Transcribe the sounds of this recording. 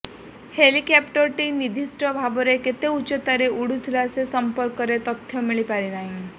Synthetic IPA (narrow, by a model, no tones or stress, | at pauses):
helikɛpʈəɾʈinid̪ʱisʈɔbʱabɔɾeket̪eut͡ʃet̪aɾeʔuɽut̪ʰilasesəmpəɾkɔɾet̪ɔt̪ʰjɔmiɭipaɾinaɦĩ